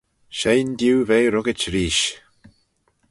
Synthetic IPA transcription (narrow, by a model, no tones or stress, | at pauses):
ʃejnd̪juːveːɾʊɡɪt͡ʃɾiːʃ